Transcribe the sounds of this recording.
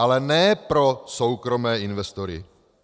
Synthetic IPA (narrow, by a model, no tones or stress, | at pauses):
alɛnɛːpɾo̞sowkɾo̞mɛːʔɪnvɛst̪oɾɪ̰